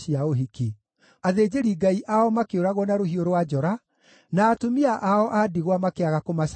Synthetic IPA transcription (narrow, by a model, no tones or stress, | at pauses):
iaoɦiki | aðed͡ʑeɾiɡaiʔaɔmakeoɾaɣwɔnaɾoɦioɾwad͡ʑɔɾa | naːtomiaʔaɔʔadiɣwamakeaɣakomaʃ